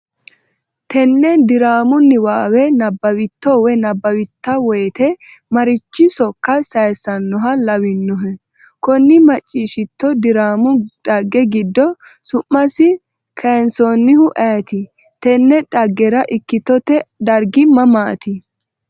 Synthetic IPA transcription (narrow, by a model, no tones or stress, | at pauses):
t̪ʰɛnːɛd̪ɪɾaːmʊnːɪwaːwɛnɐbːɐwɪt̪ːɔwɛnɐbːɐwɪt̪ːɐwɔjt̪ɛmɐɾɪt͡ʃːɪsɔkːɐsɐjsɐnːɔɦɐlɐwɪnːɔɦɛ | kɔnːɪmɐt͡ʃʼːiːʃɪt̪ːɔd̪ɪɾaːmʊᶑɐɡːɛɡɪd̪ːɔsʊmːɐsɪ | kʰɐnsɔnːɪhʊʔɐjt̪ɪ | t̪ɛnːɛᶑɐɡːɛɾɐʔɪkːɪt̪ːɔt̪ɛd̪ɐɾɡɪmɐmaːt̪ɪ